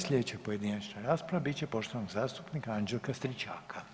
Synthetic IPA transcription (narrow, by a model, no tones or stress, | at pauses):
slʲʎʲed̪et͡ɕapo̞je̞d̪inat͡ɕnaɾaːspɾaʋabit͡ɕe̞po̞ʃt̪o̞ʋnoɡzaːst̪upnikaand͡ʒelˠkast̪ɾit͡ʃaːkʰa